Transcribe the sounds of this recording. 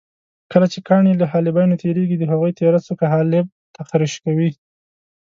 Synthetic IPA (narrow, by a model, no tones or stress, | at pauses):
kəlat͡ʃekɑɳiləɦɑlɪbɑjnot̪eɾeɡid̪əɦaɣujt̪eɾasokaɦɑlɪb̚t̪axɾiʃkawi